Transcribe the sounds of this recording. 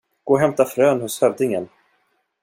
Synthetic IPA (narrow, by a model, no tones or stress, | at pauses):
ɡ̥oːɦɛmt̪afɾøːnhʊshœvd̪ɪŋən